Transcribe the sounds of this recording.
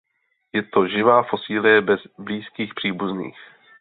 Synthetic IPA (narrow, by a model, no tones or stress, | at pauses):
jɛt̪o̞ʒɪvaːfo̞siːlɪjɛbɛzbliːskiːxpr̝̥iːbuznḭːx